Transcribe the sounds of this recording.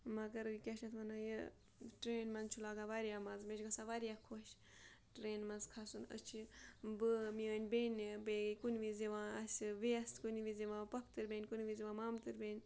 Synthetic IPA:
mɐɡɐɾikʲeʃnɐt̪ʰʋɐnajə | ʈɾeːnmɐnzt͡ʃʰulaːɡaʋaɾijaːmɐnzmeʃɡɐsaʋaɾijakʰoʃ | ʈɾeːnmɐnzkʰasunə̰t͡ʃʰibɨmiəːnʲbenʲbeːɡkunʋizeʋãːɐsʲʋeɐst̪kuniʋizeʋãːpɐk̚ʰt̪ɨɾʲbʲenʲkunʋiziʋãːmaːmt̪ɨɾbenʲ

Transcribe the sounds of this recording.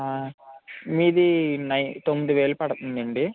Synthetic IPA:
miːðinɐjt̪onːðɨʋeːlpɐɽɐt̪ːunːeɳɖɨ

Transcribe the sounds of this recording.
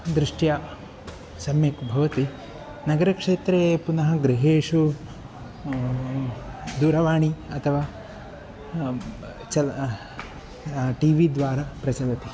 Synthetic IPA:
d̪ɾiʂʈjaː | sɐmjɐkbʱɐʋɐt̪i | nɐɡɐɾɐkʂeːt̪ɾeːpunɐɦɐɡɾiɦeːʂu | d̪uːɾɐʋaːɳiɐt̪ʰɐʋaː | t͡ʃɐ | ʈiːʋid̪ʋaːɾapɾɐt͡ʃɐlɐt̪i

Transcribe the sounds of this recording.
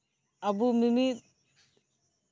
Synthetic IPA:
ɐbumimi

